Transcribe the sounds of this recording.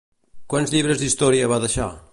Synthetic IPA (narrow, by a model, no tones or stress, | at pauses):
kwanzʎiβɾəzd̪ist̪ɔɾiəβaðəʃa̰